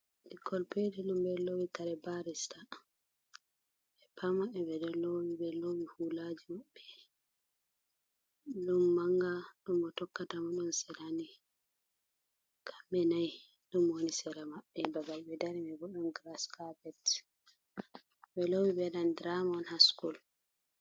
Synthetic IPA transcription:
ɗikːɔlpediɗumbɛlowikaɾɛbaɾista | ɛpʰamaɛbɛdɛlowibɛlowihulad͡ʒimaɓːɛ | ɗumːaŋɡaɗumɓɔtɔkːatamaɗɔnsɛlani | kʰḁmbɛnaj | ɗumwonisɛɾamaɓːɛbaɡalɓɛdaɾimɛbɔɗɔnɡɾaskapɛt | ɓɛlowibɛɗandɾamɔnhaskul

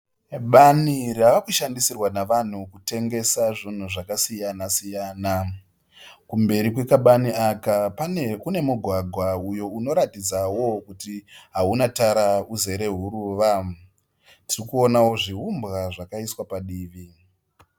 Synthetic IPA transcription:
ɓaniraʋakuʃandisirwanaʋan̤ukute̞ŋɡe̞saʐin̤uʐakasijanasijaːna | kumbe̞ɾikwekaɓaniakapakune̞muɡʱwaɡʱwaujo̞uno̞ɾatid͡zawo̞kutiɦaunataɾauze̞ɾe̞ɦuɾuːʋa | tirikuo̞nawo̞ʐiɦumbɣaʐakaiswapaɗiːʋi

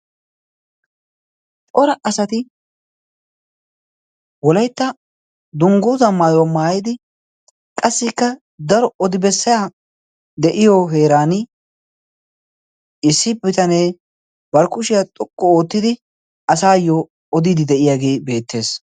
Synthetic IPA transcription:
tʼɔɾɐʔɐsɐt̪ɪ | wɔlɐjt̪ːɐ | d̪ʊŋɡoːzɐmːaːjwɔmaːjɪd̪ɪ | kʼɐsːɪkːɐ | d̪ɐɾɔɔd̪ɪbɛsːɐja | d̪ɛʔɪjoɦe̞ːɾaːnɪ | ɪsːɪbɪt̪ɐne̞ː | bɐɾkʊʃɪjɐt̪ʼɔkʼːɔoːt̪ːɪd̪ɪ | ɐsaːjːɔ | ɔd̪ɪd̪ɪd̪ɛʔɪjaːɡe̞ːbe̞ːt̪ːe̞ːs

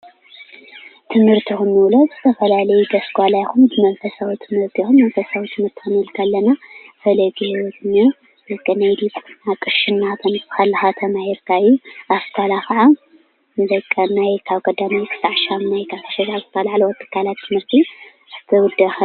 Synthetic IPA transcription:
t̪ʰɨmhɨɾt̪ʰixɨnːɨwlozɨ̥t̪ʰɐfɐlalɐjud̪ɐsɡʷalajkumzɨmɐlfɐsawit̪ʰɨmhɨɾt̪ʰixumːɐnfɐsawit̪ʰɨmhɨɾt̪ʰanɨwlkʰalːɐnafɐlɐɡehiwɔt̪nɐ | zɐkʼːɐnajd̪itʼnakʼɨʃɨnːat̪ʰɐnɨsxalːɨxat̪ʰɐmahiɾkʰajuaft̪ʰalaxaʕa | nzɐkʼːɐnajkʰaβkʼɐd̪amajt̪ʰɨ̥saʕʃamnajkʰaβt̪ʰɐ̥ʃɐzazɨt̪ʰɐlaʕlwɐt̪ʰʼːɨ̥kʰːalat̪ʰːɨmhɨɾt̪ʰi | ʔɨt̪ʰɨwʊd̪ɐx

